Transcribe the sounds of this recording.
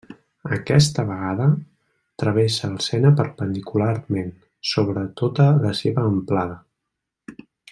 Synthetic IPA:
əkɛst̪əβəɣaðə | t̪ɾəβ̞ɛsəːlˠsɛnəpəɾpənd̪ikularmen | soβɾət̪ot̪ələseβəːmplaðə

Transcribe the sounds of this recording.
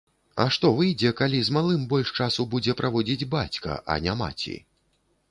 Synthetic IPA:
ɐ̰ʂt̪ɔvɨjd͡zʲɛkalʲizmalˠɨmbɔlʲʂt͡ʂasubud͡zʲɛpɾʔavɔd͡zʲid͡zʲbat͡sʲkɐ̰ʔɐ̰nʲama̰t͡sʲḭ

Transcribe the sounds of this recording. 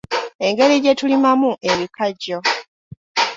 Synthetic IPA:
e̞ŋɡe̞liɟe̞tulimamuʔe̞βikaɟo̞

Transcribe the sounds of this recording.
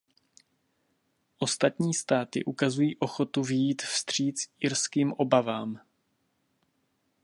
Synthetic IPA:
ʔo̞st̪at̪ɲiːst̪aːt̪ɪ̰ʔukazujiːʔo̞xo̞t̪uvɪjiːt̪fst̪r̝̥iːt͡sɪɾskiːmʔo̞bavaːm

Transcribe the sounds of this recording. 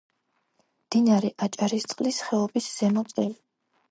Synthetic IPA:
md̪̥inaɾɛʔat͡ʃʼaɾist̪sʼqʼlisχɛɔbisz̥ɛmɔt̪sʼɛli

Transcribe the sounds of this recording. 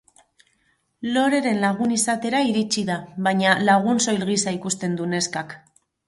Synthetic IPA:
lo̞ɾe̞ɾe̞nlaɣ̞unisat̪e̞ɾaiɾit͡ʃiðaβaɲalaɣ̞unso̞jlɣisaikust̪e̞nd̪une̞skak

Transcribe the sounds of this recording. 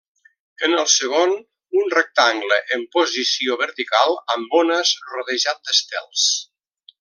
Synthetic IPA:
ənəlˠsəɣ̞on | unrək̚t̪aŋɡləʔəmpozisioβəɾt̪ikalˠəmbonəzroðəʒat̪̚d̪əst̪ɛ̰lˠs

